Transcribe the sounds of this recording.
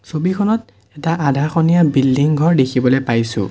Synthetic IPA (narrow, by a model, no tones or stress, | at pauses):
sobikʰɔnɔt | ɛtaʔadʱaxɔnijabilːiŋɡʱɔɹdekʰibɔlojpajsʊ̰̃